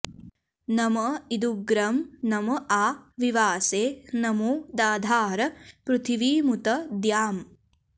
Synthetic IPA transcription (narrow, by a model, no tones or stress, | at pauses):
nɐmɐid̪uɡɾɐmnɐmɐʔaːʋiʋaːseːnɐmuːd̪aːd̪ʱaːɾɐpɾut̪ʰiʋiːmut̪ɐd̪jaːm